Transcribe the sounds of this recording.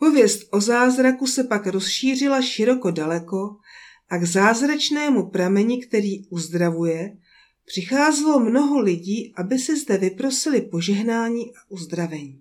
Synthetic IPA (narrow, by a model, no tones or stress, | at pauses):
po̞vjɛst̪ʔo̞zaːzɾakusɛpakɾo̞sʃiːr̝ɪlaʃɪɾo̞ko̞dalɛko̞ | ʔaɡzaːzɾat͡ʃnɛːmupɾamɛɲɪkt̪ɛɾiːuzd̪ɾavujɛ | pr̝̥ɪxaːzɛlomno̞ɦo̞lɪɟiːʔabɪsɪzdɛvɪpɾo̞sɪlɪpo̞ʒɛɦnaːɲiːʔaʔuzd̪ɾavɛɲiː